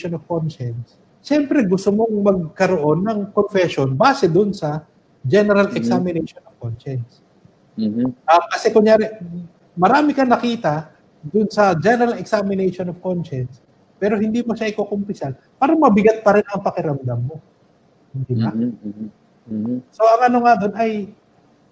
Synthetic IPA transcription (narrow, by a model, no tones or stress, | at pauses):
ʃonovkonʃɛns | ʃɛmpɾɛɡʊst̪omo̞ŋmɐɡ̚kɐɾoʔo̞nːɐŋkonfɛʃo̞nbaːsɛd̪ʊnsɐ | d͡ʒɛnɛɾɐlʔɛksamɪnɛjʃonov̥konʃɛns | ʔɐkɐsɛkʊŋjaːɾɛ | mɐɾaːmɪkɐnɐkiːt̪ɐ | d̪ʊnsɐd͡ʒɛnɛɾalɛksamɪnɛjʃonovkonʃɛns | pɛːɾo̞hɪnd̪iːmoʃaʔɪkokompɪsal | paːɾɐmɐbɪɡat̪̚pɐɾɛnɐŋpɐkɪɾɐmd̪ɐmːo̞ | hɪnd̪ilɐ | so̞ʔɐŋʔɐno̞ŋad̪o̞nɐj